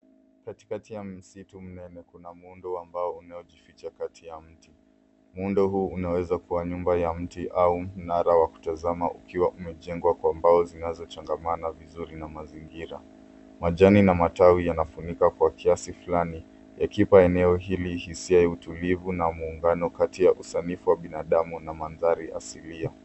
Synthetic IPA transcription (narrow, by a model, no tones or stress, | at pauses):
kati̥katijam̩situm̩nɛnɛkunamundɔambaɔunajɔʄifit͡ʃakatʰijam̩ti | mundɔɦuːunawɛzakuwaɲumbajam̩tiʔaum̩naɾawaku̥tazamaʔukʰiwaʔumɛʄɛŋɡwakwaːmbaɔzinazɔt͡ʃaŋɡamanavizuɾinamaziŋɡiɾa̰ | maʄaninamatawijanafunikakwakʰiasifulani | jakipaɛnɛɔɦilihisiaɛutulivunamuːŋɡanɔkatijaʔusanifuwaɓinaɗamunamanðaɾiʔa̰silia